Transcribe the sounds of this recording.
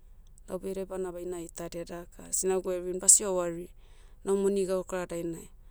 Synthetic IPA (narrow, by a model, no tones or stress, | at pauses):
la̰wbejɾebanabajnajtadeadakʰa̰sinaɡueβinbasiowaɾi | nawmoniɡaokɾadajnaj